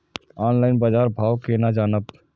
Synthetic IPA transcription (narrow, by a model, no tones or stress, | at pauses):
ɔːnlaːɪnbad͡ʒaːɾbʱaːwkenad͡ʒaːnəb